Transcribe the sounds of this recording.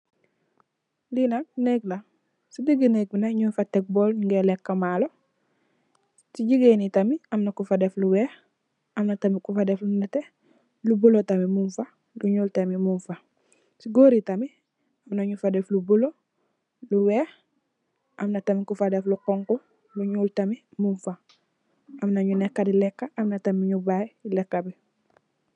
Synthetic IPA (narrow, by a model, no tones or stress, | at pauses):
linak̚neɡla | sidiɡineɡ̚binaɲunfatek̚boːliŋɡelekːamalo | siɟiɡenitamiɐmnakufadefluwɛːx | ɐmnatamikufadeflunate | lubulotamimunfa | luɲuːltamimunfa | siɡoːɾitami | amnaɲufadeflubulo | luweːx | ʔamnatamikufadefluqɔŋku | luɲuːltamimuɱfa | ʔamnaɲunekːadilɛkːaʔamnatamiɲubajlekːabi